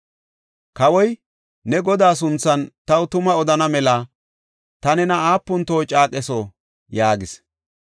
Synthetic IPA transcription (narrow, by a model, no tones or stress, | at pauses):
kɐwɔj | nɛɡɔd̪aːs̬ʊnt͡sːɐnt̪ɐwʊt̪ʊmɐɔd̪ɐnɐmɛlɐ | t̪ɐnɛnɐaːpːʊnt̪oːt͡ʃʼaːkʼɛso | jaːɡɪs